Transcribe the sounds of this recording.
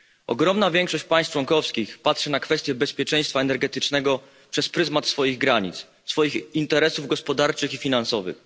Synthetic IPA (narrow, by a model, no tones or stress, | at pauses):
ɔ̰ɡɾɔmnavʲjɛŋkʂɔɕt͡ɕpãj̃s̚t͡ʂwɔŋkɔfskʲixpatʂɛnakfɛst̪ʲjɛbɛspʲjɛt͡ʂɛj̃st̪faɛnɛɾɡɛt̪ɘt͡ʂnɛɡɔ | pʂɛspɾɘzmat̪sfɔjiɣɡɾaɲḭt̪s | sfɔjixint̪ɛɾɛsuvɡɔspɔd̪aɾt͡ʂɘxifʲinansɔvɘ̰x